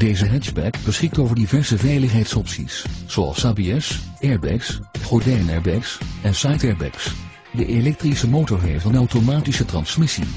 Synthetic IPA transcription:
d̥ejzəɦɛd͡ʒbɛkbəsχɪk̚toːwvəɹdivɛɹsəvɛjləχɦejtsɔpsḭsz̥owɑ̰lˠsaːbeɛsɛɹbɛ̰ksχɔɹdɛjnɛɹbɛksɛnsajtɛɹbɛ̰ks | dəʔelɛk̚trisəmowtɔɹɦejftənawtomaːtisətrɑnsmɪsḭ

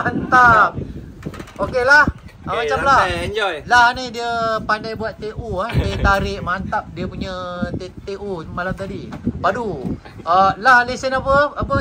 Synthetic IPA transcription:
ant̪ap̚ | okelahamat͡ʃamlajlanidiəpandajbuat̪ːeʔuahdat̪aɾɪʔmant̪ap̚diəpuɲət̪et̪eʔumalamt̪adipadu | əlaɦlesənapəapə

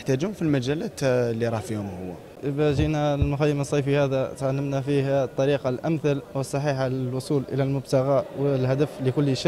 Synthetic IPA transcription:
əħt̪æd͡ʒumfilmæd͡ʒælæt̪lːiɾˤɑfihʊmhʊwːæ̰ | ʔbæʒinælmʊxæjːəməsˤːɑjfihæd̪æt̪ʕalːəmnæfihæt̪ˤːɑɾiqɑlʔæmθalwəsˤːɑħiːħalwʊsˤuːlʔə̰lælmʊbt̪aɣawəlhæd̪əfləkʊlːʃi

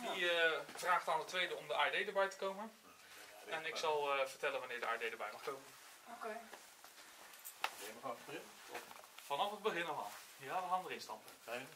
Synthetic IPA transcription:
diəv̥raːχtaːnətʋejdəɔmdəʔaːədejdəɹbɛjtə̥kowmən | ɛnɪkksɑlˠvəɹtɛlənʋɑnɪːɹdəaːədejdəɹbɛjmɑχkowmən | oke | demənfəbəɪn | fɑnɑfɦəd̚bəχɪnɔχa̰ | aʋəχaːndərɪnstɑ̰mpə

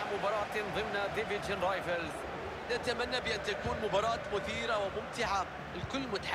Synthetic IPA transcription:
ʕmʊbɑːɾˤɑːt̪nðˤɪmnad̪ɪvɪd͡ʒɪnɾˤaːjfalz | nat̪amanːabɪʔɪnːt̪akuːnmʊbɑːɾˤɑːt̪mʊθiːɾawɪmʊmt̪ɪʕa | ɪlkʊlːmʊt̪ḁħ

